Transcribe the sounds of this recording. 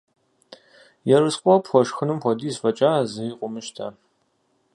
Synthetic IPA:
jɛrɨsqʷʼɔpxʷɔʂxɨnɨmxʷɔdiːzfɐt͡ʃʼaːzɨiqʷʼʊmɨʃtʰa̰

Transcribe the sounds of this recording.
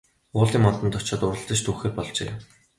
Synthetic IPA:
ʊːɮiːmɔnt̪ɞ̆nt̪ʰʊt͡ɕɔːt̪ʊɾə̆ɮt̪ə̆t͡ɕt̪ʰuːxeːrpɔɮt͡ɕḛː

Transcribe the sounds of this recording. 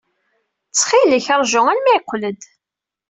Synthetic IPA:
t͡sːχiləçɑɾˤʒʊŋælmæqːləd̪

